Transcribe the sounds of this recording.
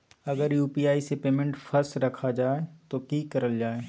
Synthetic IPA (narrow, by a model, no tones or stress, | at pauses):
ɐɡəɾjuːpiːaːisepeːmẽɳʈfʰɐɾsɾɐkʰad͡ʒaːet̪okiːkɐɾəld͡ʒaːeː